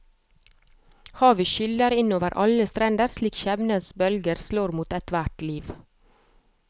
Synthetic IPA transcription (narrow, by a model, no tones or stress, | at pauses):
hɑːʋiːʃʏləɾɪnoːʋəɾʔɑləst̪ɾɛnd̪əɾsliːkʃɛʋnəsbœlɡəɾsloːɾmuːt̪ɛt̪ʋæʈliːʋ